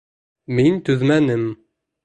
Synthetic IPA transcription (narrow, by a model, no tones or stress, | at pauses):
mint̪ɵðmænɘm